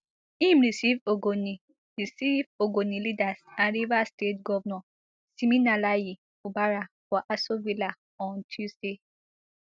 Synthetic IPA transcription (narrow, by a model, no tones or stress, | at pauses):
ĩmɹisivoɡoni | ɹisivoɡonilidasãnɹivastetɡɔvnɔ | siminalaji | ubaɹafɔʔasovila | ɔ̃ntʰusde